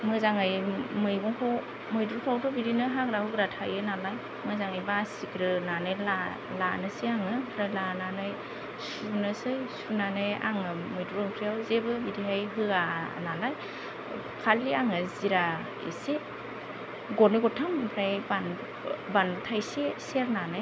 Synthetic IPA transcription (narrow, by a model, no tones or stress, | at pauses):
mɯzaŋajmɯjɡɔŋkʰɔw | mɯjdɾutʰawtɔbiɾinɯɦaɡɾahɯɡɾatʰajɯnalaj | mɯzaŋajbasikɾɯnanɯjla | lanɯsiaŋɯkʰɾalananɯj | s | unɯsɯjsunanɯja̰ŋɯmɯjdɾuɯŋkʰɾijawzebɯbiɾiɦajɦɯanalaj | kʰaliaŋɯziɾa | ḛse | ɡɔnɯɡɔtʰampʰɾajban | banbtʰajseseɾnanɯj